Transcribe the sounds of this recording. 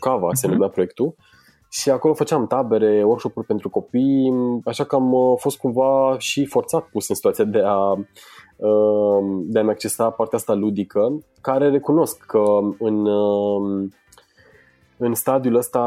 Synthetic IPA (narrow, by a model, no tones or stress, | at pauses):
kava̰seənlumeapɾo̞jek̚t̪u | ʃiako̞lo̞fət͡ʃeamt̪abe̞ɾe̞workʃo̞purʲpe̞nt̪ɾuko̞pijaʃakəamfo̞st̪̚kumvaʃifo̞rt̪sat̪̚pusɨnsit̪uat̪iad̪e̞a | ə | d̪e̞ameakt͡ʃe̞sapart̪eaast̪alud̪ikʰə | kaɾe̞re̞kuno̞skʰːəɨnə | ɨnst̪ad̪iuləst̪a